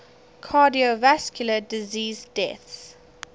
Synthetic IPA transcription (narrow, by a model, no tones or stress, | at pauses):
kʰaːdiovaskʰjʊlədiziːzdɛθs